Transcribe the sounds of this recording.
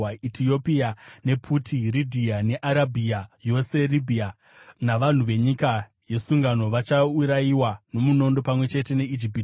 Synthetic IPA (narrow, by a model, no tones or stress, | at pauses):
aitʰio̞piane̞pʰutʰiridʱiane̞ʔaɾabʱiajo̞se̞libʱia | naʋan̤uʋe̞ɲika | je̞suŋɡano̞ʋat͡ʃauɾaiwano̞muno̞ndo̞pamwe̞t͡ʃe̞te̞ne̞id͡ʒip̬it